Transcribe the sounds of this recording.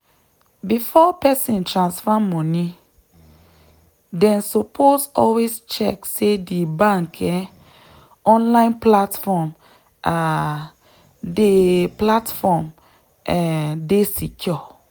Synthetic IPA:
bifɔpɛsĩntʰɹãnsfamɔ̃nĩ | dɛ̃nsɔpʰosɔlwest͡ʃɛksedibãŋkʰɛ | ɔ̃nlãɪ̃nplatfɔm | ʔa | deplatfɔm | ɛdesikʰɔ

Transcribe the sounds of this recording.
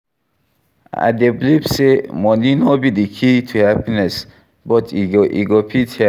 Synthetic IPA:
a̰d̪eblipsemɔninobid̪ikʰit̪ʰuhapinɛs | bɔtʰiɡʔḭɡopʰithɛ

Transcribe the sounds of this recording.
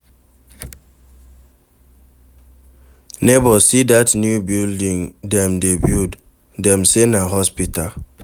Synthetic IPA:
nebɔsidatnjubildiŋdɛmdebjud | dɛmsenaɦɔspital

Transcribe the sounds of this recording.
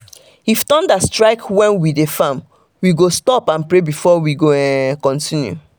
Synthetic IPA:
ifdɔ̃ndastɹaɪkwɛ̃nwidefãm | wiɡostɔpãnpɹebifɔwiɡoɛkɔ̃ntĩnjṵ

